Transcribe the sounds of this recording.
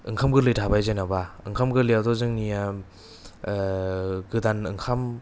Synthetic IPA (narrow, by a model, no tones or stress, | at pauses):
ɯŋkʰamɡɯɾlɯjtʰabajzajnabaɯŋkʰamɡɯɾlijadɔzɯŋnija | ɡɯdanɯŋkʰam